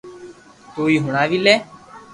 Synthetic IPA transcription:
t̪oːiːɦʊɳaːʋiːlɛː

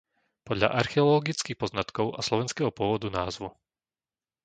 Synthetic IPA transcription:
pɔd̪ʎa̰ʔaɾxɛɔlɔɡit͡skixpɔznat̪kɔʊaslɔʋɛnskɛɦɔpʊɔʋɔd̪unaːzʋu

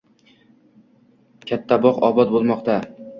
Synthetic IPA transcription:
kʲʰat̪ʰːabɒqɒbɒt̪̚bolˠmɒqt̪a

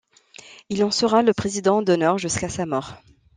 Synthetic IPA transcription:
ilɑ̃səʁaləpχezid̪ɑ̃d̪ɔnœʁʒyskasamɔːʁ

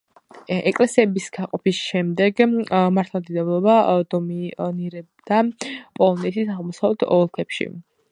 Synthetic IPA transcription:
ɛkʼlɛsiɛbisɡ̥aqʼɔpisʃɛmd̪ɛɡmaɾt̪ʰlˠamd̪id̪ɛblˠɔbad̪ɔminiɾɛbd̪̥apʼɔlˠɔnɛt̪ʰisaʁlˠmɔsavlɛt̪ʰɔlˠkʰɛpʃḭ

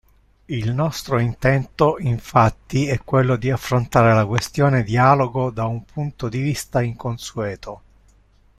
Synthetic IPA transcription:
ilnɔst̪ɾoint̪ɛnt̪oiɱfat̪ːiɛkːwelːod̪iafːɾont̪aːɾelakwest̪joːned̪iaːloɡod̪aumpʰunt̪od̪ivist̪aiŋkonsuɛːt̪ʰo

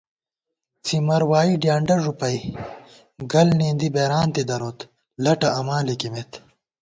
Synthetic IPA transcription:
t͡simɐɾwaːiɖjaːɳɖɐɾʐupɐj | ɡɐlniːnd̪ibeːɾaːnt̪id̪ɐɾoːt̪ | lɐʈɐɐmaːlikimet̪

